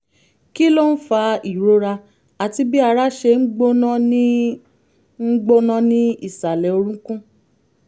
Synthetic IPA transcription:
ki˦lo˦n̩˦fa˧i˨ɾo˧˦ɾa˧ | a˨ti˧˦bi˦a˧ɾa˦ʃe˧ŋ̩˦ɡ͡bo˦nã˦nĩ˦ | ŋ̩˦ɡ͡bo˦nã˦nĩ˦i˦˨sa˨lɛ˨o˧ɾũ˦kũ˦

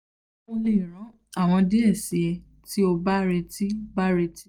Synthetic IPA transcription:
o˧le˨ɾ̃ã˨˦ | a˦˨w̃ɔ̃˧de˦e˦˨si˨ɛ˧ | ti˦o˧ba˦ɾɛ˧ti˦ba˦ɾe˧ti˦

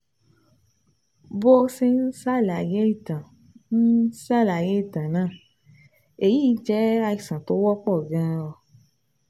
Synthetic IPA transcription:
bo˧sẽ˧n̩˦sa˦˨la˨je˦i˦˨tã˨ | n̩˦sa˦˨la˨je˨˦i˦˨tã˨nãː˦˨ | e˨ji˦d͡ʒɛ˦a˧i˨sã˨to˨˦wɔ˦k͡pɔ˦˨ɡã˦˧ɔ˧

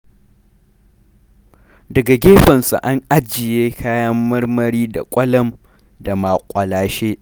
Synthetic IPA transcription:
dɐ˨ɡa˨ɡʲeː˦ɸɐ˨nsṵ˨ʔa˦ŋʔa˦d͡ʒɪ˨jeː˦kʰaː˦jɐ˦mːɐ˦rmɐ˦ɾiː˦da̰˨kʷʼɐ˦lɐ˦m | da˨ma˨kʷʼɐ˨laː˨ʃeː˦ʔ

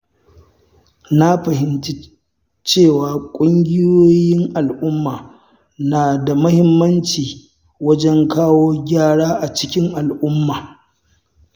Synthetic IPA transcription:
na˦ɸɐ˨ɦɪ˦nti˦ | t͡ʃeː˦˨waː˨kʷʼʊ˦ŋɡʲɪ˦joː˦jɪ˦ŋʔa˨lʔʊ˦mːaː˨ | naː˨da˨mɐ˦hɪ˦mːɐ˦nt͡ʃiː˨ | wɐ˦d͡ʒɛ˦ŋkaː˦woː˦ɡʲaː˦˨ɽaː˦ʔa˨t͡ʃɪ̥˦kʲɪ˦ŋʔa˨lʔʊ˦mːaː˨

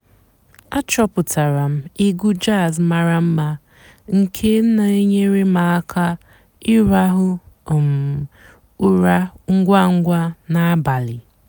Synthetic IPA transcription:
a˦t͡ʃɔ˦pʊ˨tʰa˨ɾa˨m̩˦i˦ɡu˦d͡ʒa˦˨zma˨ɾa˨m̩˦ma˦ | ŋ̩˨kʰe˦m̩˦na˨e˦ɲe˦ɾe˦ma˨a˦kʰa˦ | ɪ˦ɾa˦ɦʊ˦˨m˨ | u˦ɾa˦ŋ̩˦ɡʷa˦ŋ̩˦ɡʷa˦na˨˦ba˨lɪ˨

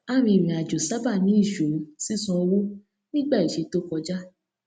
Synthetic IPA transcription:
a˦˨ɾ̃ĩ˧˨m̃ĩ˨a˨d͡ʒo˨sa˦ba˦˨nĩ˨˦i˦˨ʃo˨˦si˦sũ˧ɔ˧wo˦ | nĩ˦ɡ͡ba˦˨i˨ʃe˨˧˦to˦kɔ˧d͡ʒa˦

